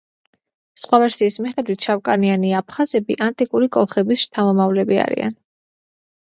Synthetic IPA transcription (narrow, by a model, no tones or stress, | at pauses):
sχwavɛɾsiːsmiχɛd̪wit̪ʰʃavkʼanianiapʰχazɛbiʔant̪ʼikʼuɾikʼɔlˠχɛbisʃt̪ʰamɔmavlɛbia̰ɾḭa̰n